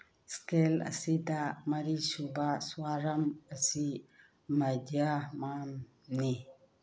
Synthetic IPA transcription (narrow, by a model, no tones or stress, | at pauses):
skelɐ̰sidamɐɾisubaswaɾɐmɐsi | mɐdijamam | ni